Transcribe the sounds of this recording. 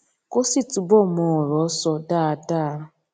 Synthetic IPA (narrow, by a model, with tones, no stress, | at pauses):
ko˦si˦tu˨bɔ˦mɔ˨ɾɔ˨˦sɔ˨da˦˨a˨ta˦˨˦